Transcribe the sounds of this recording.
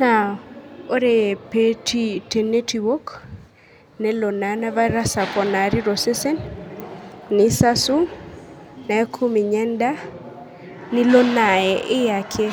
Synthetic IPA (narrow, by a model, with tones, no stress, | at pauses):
na˨o˦ɾe˨pe˦ti˦te˨ne˦ti˨wo˦k | nɛ˦lo˨na˨na˦va˦ɾa˦sa˨kɔ˨na˨ɾi˦ɾo˨se˦se˦nː | ɪ˨sa˦su˦ | na˨e˦kʰu˦mi˨ɲɛ˦nda˦ | nɪ˦lo˦na˨ɛʔɪ˦ja˨kʰe˦